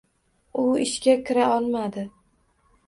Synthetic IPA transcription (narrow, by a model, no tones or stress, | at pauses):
ʊɪʃkʲakʲʰɪɾaɒlˠmad̪ɪ